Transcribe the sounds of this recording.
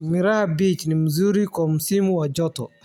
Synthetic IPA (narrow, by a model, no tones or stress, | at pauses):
miɾahbit͡ʃnimuzuɾikɔmusimuwad͡ʒɔtɔ̰